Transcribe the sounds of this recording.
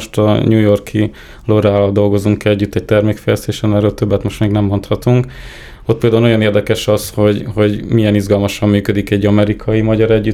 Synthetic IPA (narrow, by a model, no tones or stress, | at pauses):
oʃt̪ɒ̰ɲuːjo̞rkʰi | loɾaːlɒld̪o̞lɡo̞zuŋkɛɟːyt̪ːɛɟ̚t̪ɛrmeːkfɛjlɛst̪eːʃɛnɛːɾøːlt̪øbːɛt̪mo̞ʃt̪meːɡnɛmːo̞nt̪hɒt̪uŋk | ot̪̚peːld̪aːunojɒneːrd̪ɛkɛʃɒsho̞ɟho̞ɟmijɛnizɡɒlmɒʃɒmːyːkød̪ikɛɟːɒmɛɾikʰɒjimɒɟɒɾɛɟːy